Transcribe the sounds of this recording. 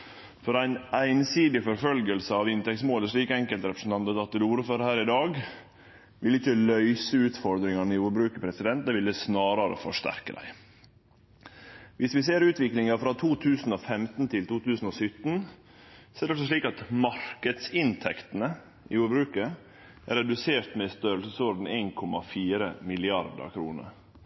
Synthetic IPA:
fɔɾæɪnæɪnsiːd̪ɪfɔɾfœlɡəlsəɑʋɪnt̪ɛk̚t̪smoːləʂɭiːkɛŋkəlt̪ɾɛpɾəsn̩t̪ɑnt̪ət̪ɑt̪̚d̪ʉd̪uːɾføːɾəhæːɾɪd̪ɑːɡ | ʋɪlɪçːəlœʏsəʉːt̪fɔɾd̪ɾɪŋɑnɪuːɾbɾʉːkəpʰɾɛsɪd̪ɛnt̪̚d̪ɛʋɪlːəsnɑːɾɑɾə̰fɔʂt̪æ̰ɾkəd̪æ̰ɪ | ʋɪsʋɪs̬eːɾʉːt̪ʋɪklɪŋɑfɾɑt̪ʰuːt̪ʰʉːsn̩ɔfɛmt̪n̩t̪ʰɪlt̪uːt̪ʉːsn̩ɔsʏt̪n | sɔɛædɛfsɔʂɭiːkɑt̪mɑɾkəd̪sɪnt̪ʰɛkt̪ən̩ə | ʔɪuːɾbɾʉːkə | ʔæɾɛd̪ʉseːɾt̪mɛst̪øːɾəlsəsoːɾn̩eːnkʰɔmɑfiːɾə̰mɪlɪɑɾd̪ə̰ɾkʰɾṵːnə̰ɾ

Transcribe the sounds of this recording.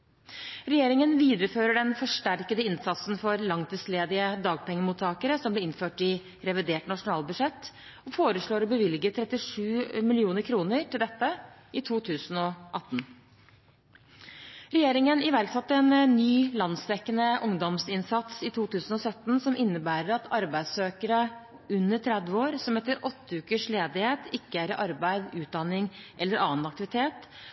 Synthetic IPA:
ɾɛjeːɾɪŋənʋiːd̪əɾəføːɾəɖɛnfɔʂʈæɾkəd̪əɪnsɑt̪sn̩fɔɾlɑŋt̪ʰɪsleːd̪ɪəd̪ɑːɡ̚pʰɛŋːəmuːt̪ʰːɑːkəɾəsɔmblɛɪnføːʈɪ | ɾɛʋɪd̪eːʈnɑʂʊnɑːlbʉʂɛt̪ː | ɔfoːɾəʂɭoːɾbəʋɪlɡət̪ʰɾɛt̪ɪʂʉːmɪlɪuːnəɾkʰɾuːnəɾʈɪld̪ɛt̪ːə | ɪt̪ʰuːt̪ʰʉːsn̩ɔʔɑt̪ːn̩ | ɾɛjeːɾɪŋənɪʋæɾksɑt̪ːəɛːnnːyːlɑnsd̪ɛkːənəʔʊŋd̪ɔmsɪnsɑt̪sɪt̪ʰuːt̪ʉːsn̩ɔsœt̪ːnsɔmʔɪnːəbæːɾəɾɑt̪ʰɑɾbæɪd̪søːkəɾə | ʉnːəʈʰɾɛd̪ʋəoːɾsɔmɛt̪ːəɾʔɔt̪ːəʉːkəʂleːd̪ɪheːt̪ʰɪkːəæɾɪʔɑɾbæɪd̪ʉːt̪̚d̪ɑnɪŋʔɛlːəɾʔɑːnɑk̚t̪ɪʋɪt̪ʰeːt̪

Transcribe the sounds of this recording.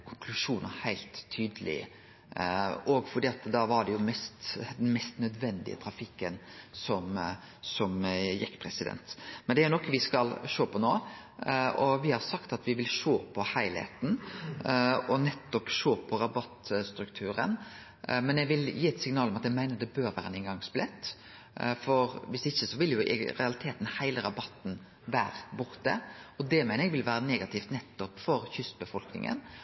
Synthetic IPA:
kʰʊŋkʰlʉʂuːnə̰hæɪlt̪ʰːyːd̪əlɪ̰ə̰ | ɔɡfɔɾd̪iːɑt̪d̪ɑːʋɑɖɛjʊmɛst̪d̪ɛnmɛst̪nœd̪ʋɛnd̪ɪ̰ə̰t̪ʰɾɑfɪkːənsɔmsɔmjɛkːpʰɾɛsɪd̪ɛ̰nt̪mɛnd̪ɛæɾjʊnɔkːəʋɪskɑlʃoːpʰɔnoː | ʔɔʋɪhɑɾsɑkt̪ɑt̪ʋɪʋɪlʂoːpʰɔhæɪlhḛːt̪n̩ | ɔnɛt̪ːɔpʃoːpʰɔɾɑbɑt̪ːst̪ɾʉkt̪ʰʉːɾə̰n | mɛnɛɡʋɪljiːɛt̪sɪŋnɑːlɔmɑt̪ɛɡmæɪnəɾd̪ɛbøːɾʋæːɾənɪŋɡɑŋsplɛt̪ː | fɔɾʋɪsɪçːəsɔʋɪljʊ̰ɾɛ̰ɑlɪt̪ʰeːt̪n̩hæɪləɾɑbɑt̪ːn̩ | ʋæːɾbʊɾt̪ə̰ɔd̪ɛmæɪnəɾɛɡʋɪlʋæːɾəneːɡɑt̪ʰɪːft̪nɛt̪ːɔpfɔɾçʏst̪bəfɔlknɪ̰ŋə̰n

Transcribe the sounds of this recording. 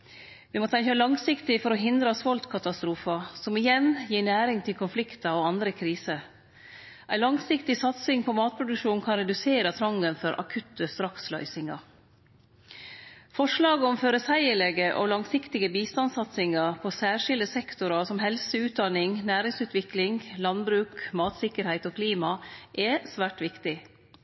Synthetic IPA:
ʋɪmɔt̪ʰɛəlɑŋsɪkt̪ɪfɔɾɔɦɪnd̪ɾɑsʋɔlt̪kʰɑt̪ɑst̪ɾuːfɑsɔmɪjɛnjiːnæːɾɪŋt̪ʰɪlkʰʊnflɪkt̪ɑoɑnd̪ɾəkʰɾiːsə | ʔæɪlɑŋsɪkt̪ɪsɑt̪sɪŋpʰɔmɑːt̪̚pʰɾʊd̪ʉkʂuːnkʰɑnɾɛd̪ʉseːɾɑt̪ʰɾɑŋɡənfɔɾʔɑ̰kʰʉt̪ʰːəst̪ɾɑkslɑʏsɪŋɑ̰ɾ | fɔʂlɑːɡəɔmføːɾəsæɪəɭɛɡəʔo̰lɑŋsɪkt̪ɪɡəbiːst̪ɑnsɑt̪sɪŋɑɾpʰɔsæːʂɪld̪əsɛkt̪ʊɾɑsɔmɦɛlsəʉːt̪̚d̪ɑnɪŋnæːɾɪŋsʉːt̪ʋɪklɪŋlɑnbɾʉːkmɑːt̪sɪkəɾhæɪt̪oːkʰliːmɑʔɛsʋæːʈʋɪkt̪ɪ

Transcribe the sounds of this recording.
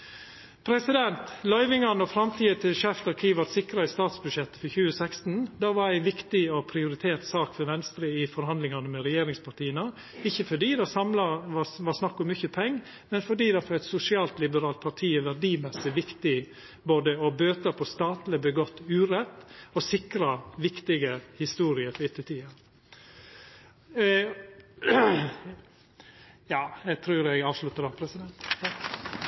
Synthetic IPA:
pʰɾɛsɪd̪ɛnt̪lɑʏʋɪŋɑnɔfɾɑmt̪ʰiːət̪ʰɪlʃɛft̪ɑɾkʰiːʋɑt̪sɪkɾɑɪst̪ɑːt̪sbʉd̪ʂɛt̪ːə̥fɔɾçʉːəsɛkst̪n̩d̪ɑːʋɑɾæɪʋɪkt̪ɪɔpʰɾɪʊɾɪt̪ʰeːɾt̪sɑːkfɔɾʋɛnst̪ɾəɪfɔɾhɑnd̪lɪŋɑnəmɛɾɛjeːɾɪŋspʰɑʈiːənə | ɪçːəfɔɖiːd̪ɑsɑmlɑʋɑsnɑkːɔmːʏçəpʰɛŋː | mɛnfɔɖiːd̪ɑfɔɾɛt̪sʊsɪɑːlt̪lɪbəɾɑːlt̪̚pʰɑʈʰiːɛʋæɖiːmɛsɪʋɪkt̪ɪ | boːd̪əɔbøːt̪əɾpʰɔst̪ɑːt̪lɪbəɡɔt̪ːʉːɾɛt̪ːɔsɪkɾɑʋɪkt̪ɪɡəhɪst̪uːɾɪəfɔɪt̪ːət̪ʰiːɑ | jɑːjɛɡt̪ʰɾʉːɾɛɡɑːʋslʉt̪ːəɾd̪ɑpʰɾɛsɪd̪ɛnt̪

